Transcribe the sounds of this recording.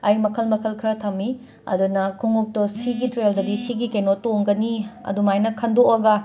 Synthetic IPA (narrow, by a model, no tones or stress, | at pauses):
ɐjmɐkʰɐlmɐkʰɐlkʰɾɐtʰɐmːi | ɐ̰dunɐkʰuŋuk̚tosiɡitɾeldɐdisiɡikenotoŋɡɐniɐ̰dumajnɐkʰɐndoʔɐɡɐ